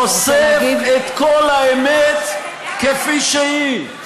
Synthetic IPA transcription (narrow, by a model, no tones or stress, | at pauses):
osevet̪kolhaemet̪ | kefiʃei